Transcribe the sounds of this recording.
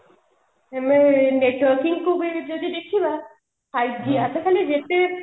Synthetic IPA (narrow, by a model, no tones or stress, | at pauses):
ɛmeneʈwaɾkiŋkʰubed͡ʑod̪id̪ekʰt͡ʃʰina | ajɖiatʰekʰalid͡ʑet̪e